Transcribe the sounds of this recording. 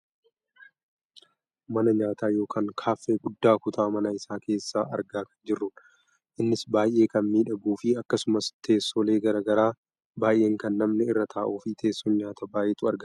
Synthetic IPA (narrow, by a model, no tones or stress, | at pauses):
mɐnɐɲaːt̪aːjo̞ːkʰaːŋkʰaːfːeːɡʊd̪ːaːkʊt̪aːmɐnɐɪsaːke̞ːsːaːʔɐ̰ɾɡaːkɐ̥nd͡ʒɪrːʊn | ʔɪnːɪsbaːjʔe̞ːkɐnmiːᶑɐbuːfɪɐkːɐsʊmɐst̪ʰe̞ːsːoːle̞ːɡɐɾɐɡɐɾaː | baːjʔe̞ːŋkɐnːɐmnɛɪrːɐt̪ʰaːʔuːfɪt̪ʰe̞ːsːɔnɲaːt̪ʰɐbaːʔɛt̪ʊɐɾɡɐ